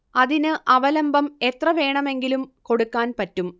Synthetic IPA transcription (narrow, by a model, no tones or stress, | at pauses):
ɐðinɨʔɐʋɐlɐmbʱɐme̞t̪rɐʋe̞ːɳɐme̞ŋɡilumko̞ɽukːaːnpɐtːum